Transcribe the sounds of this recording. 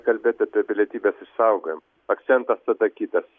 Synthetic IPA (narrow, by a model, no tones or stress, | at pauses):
kɐlʲbʲet̪ɐt̪ʲepʲelʲet̪ʲiːbʲɛsɪʃsɑʊɡɐm | ɐkt̪sʲɛnt̪ɐst̪ɐt̪ɐkʲiːt̪ɐs